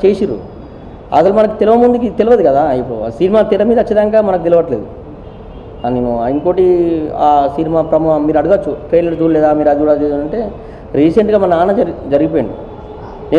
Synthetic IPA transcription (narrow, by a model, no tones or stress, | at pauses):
t͡ʃeːsiɾṵ | ɐ̰sɐlumɐnɐkut̪elɐʋɐmund̪ukit̪eliʋɐd̪ikɐd̪aːip̬ːsinimaːt̪iɾɐmiːd̪ɐt͡ʃːɐd̪aŋkaːmɐnɐk̬ut̪eliʋɐʈleːd̪u | aneːnuiŋkoːʈiaːsinimaːpɾɐmumiːɾɐɽuɡɐt͡ʃːuʈɾejlɐɾd͡ʒ̪uːlɛːd̪aːmiːɾɐd͡ʒ̪uɽaːd͡ʒeːd͡ʒɐɳʈe̞ː | ɾiːseɳʈɡaːmɐnɐaːnɐɐd͡ʒɐɾɐɡip̬ojɐɳɖi | neː